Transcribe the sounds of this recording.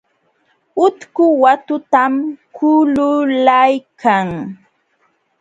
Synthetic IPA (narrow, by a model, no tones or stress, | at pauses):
ʊt̪kʊwat̪ʊt̪amkʰʊlʊlajkʰaŋ